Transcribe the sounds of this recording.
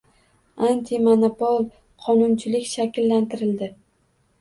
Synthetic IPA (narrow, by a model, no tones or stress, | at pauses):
ant̪ʰimonopolˠ | qʰɒnʊnt͡ʃʰɪlɪkʲʃakʲɪlːant̪ʰɪɾɪld̪ɪ